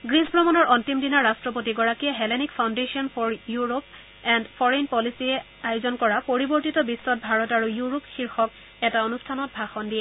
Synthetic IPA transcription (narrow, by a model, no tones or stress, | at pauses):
ɡɹisbɹɔmɔnɔɹʔɔntimdinaɹːastɹɔpotiɡɔɹakijɛɦɛlɛnikpʰawndesiɔnpʰɔɹjuɹop | ɛndpʰɔɹenpɔlisiɛ | ajozɔnkɔɹapoɹiboɹtitɔbisːɔt̚bʱaɹɔtaɹujuɹopxiɹxɔk̚ | ɛtaonustʰanɔt̚bʱaxɔndiɛ